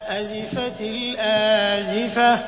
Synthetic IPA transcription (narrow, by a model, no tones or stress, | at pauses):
ʔazɪfat̪lʔaːzɪfa